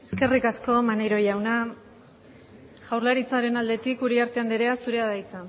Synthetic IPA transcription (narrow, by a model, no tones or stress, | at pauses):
e̞ske̞rikasko̞maneɾo̞jawna | ʝ̥awɾlaɾit͡saɾe̞nald̪e̞t̪ikuɾiaɾt̪e̞and̪iɾe̞asuɾe̞aðajt͡sa